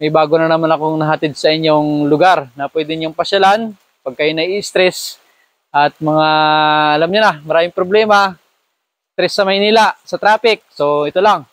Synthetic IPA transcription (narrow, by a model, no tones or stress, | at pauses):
mɐjbaːɡonɐnɐmanɐko̞ŋnɐɦɐt̪ɪd̪̚sɐɪɲjo̞ŋlʊɡaɾnɐpwɛːd̪ɪɲoŋpɐʃalan | pɐɡ̚kɐjonɐjist̪ɾɛs | ʔɐt̪̚mɐŋaɐlamɲʊnamɐɾaːmɪŋpɾoblɛːmɐ | t̪ɾɛsːɐmɐjniːlasɐt̪ɾaːpɪk̚so̞ʔɪt̪o̞laŋ